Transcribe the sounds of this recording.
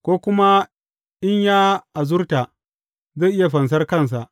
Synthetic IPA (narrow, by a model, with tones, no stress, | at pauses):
kʷoː˦kʷʊ˦ma˦ | ʔɪ˦ɲjaː˦ʔa˨zʊ˦rta˨ʔ | zaː˦˨ʔɪ˦ja˨ɸɐ˨ns̬ɐ˦rkɐ˦˨ns̬a˨ʔ